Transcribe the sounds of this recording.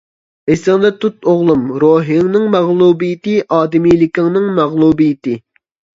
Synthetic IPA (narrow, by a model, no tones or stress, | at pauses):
esɨŋd̪ɛt̪ut̪oʁlˠumɾoːɦiŋnɨŋmæʁlˠubijit̪ɪʔɑːd̪ɪmijlɪkʲɪŋnɨŋmæʁlˠubijit̪ɪ